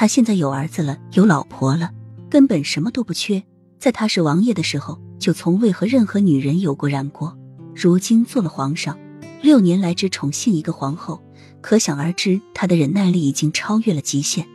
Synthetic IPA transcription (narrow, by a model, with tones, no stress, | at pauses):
t̪ʰa˥ɕjɛ˥˧nt͡sa˥˩ɪjo˨˩ʊə˞˧˥d͡zɹ̩˧lə˩jo˧˥ʊlɑ˨˩ʊpʰwɔ˧˥lə˧kə˥npə˨˩nʂə˧˥nmə˧t̪o˥ʊpu˧˥˩t͡ɕʰɥɛ˥˩ | t͡sa˥˩ɪt̪ʰa˥ʂɻ̩˥˩wɑ˧˥ŋjɛ˥˩d̪ə˩ʂɻ̩˧˥xo˧ʊt͡ɕjo˥˩ʊt͡sʰʊ˧˥ŋwe˥˩ɪxɤ˧˥ɻə˥˩nxɤ˧˥ny˨˩ɻə˧˥njo˨˩ʊkwɔ˥˩ɻa˨˩nkwɔ˥ɻu˧˥t͡ɕi˥nt͡swɔ˥˩lə˩xwɑ˧˥ŋʂɑ˥˩ŋ | ljo˥˩ʊnjɛ˧˥nla˧˥ɪʈ͡ʂɻ̩˥ʈ͡ʂʰʊ˧˥ŋɕi˥˩ni˧˥ɡə˧xwɑ˧˥ŋxo˥˩ʊ | kʰɤ˧˥ɕjɑ˨˩ŋə˞˧˥ʈ͡ʂɻ̩˥t̪ʰa˥d̪ə˨ɻə˧˥nna˥˧ɪli˥˩i˨˩t͡ɕi˥ŋʈ͡ʂʰɑ˥ʊɥɛ˥˩lə˩t͡ɕi˧˥ɕjɛ˥˩n